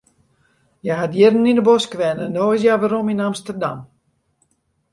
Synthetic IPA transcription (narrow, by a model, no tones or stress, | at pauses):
jaɦatjɪrəninəboskʋɛnɛndoːɪs̬jaʋaɾominamstərda̰m